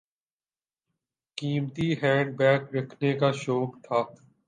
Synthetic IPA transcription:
kiːmt̪iɦɛ̃ːɖ̚bɛːkɾɐkʰnekaʃoːkt̪ʰaː

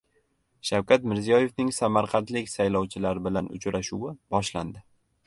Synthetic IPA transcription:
ʃawkʲʰat̪mɪɾzijɒje̞fnɪŋsamaɾqʰɑnt̪lɪkʲsajlɒwt͡ʃʰɪlaɾɪbɪlanʊ̰t͡ʃɾaʃuwɪbɒʃland̪ɪ

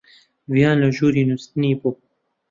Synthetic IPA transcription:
vijɑːnlɨʒuːɾiːnust̪ɨniːbu

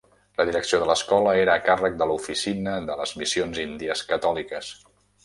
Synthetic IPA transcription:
ləðiɾəksioðələskɔləeɾəːkarək̚d̪əlufisinəðələzmisionzind̪iəskət̪ɔlikəs

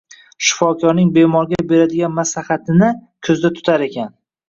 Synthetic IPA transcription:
ʃɪ̥fɒkʰɒɾnɪŋbe̞mɒɾɡʲabe̞ɾad̪ɪɡʲanmaslahat̪ʰɪnɪkʰɵzd̪at̪ʰʊ̥t̪ʰaɾe̞kʲʰan

